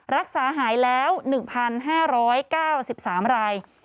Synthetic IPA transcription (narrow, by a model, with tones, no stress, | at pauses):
ɾa˦˥k̚saː˩˦ɦaː˩˦jlɛː˦˥wnɯ˨˩ŋpʰa˧nɦaː˥˩ɾɔː˦˥jkaː˥˩wsi˨˩p̚saː˩˦mɾaː˧j